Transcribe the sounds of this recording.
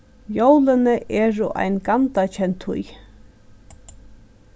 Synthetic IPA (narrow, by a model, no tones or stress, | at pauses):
jowlɪnəʔɛːɾʊʔa̰jnɡant̪at͡ɕʰɛnt̪ʰhṵj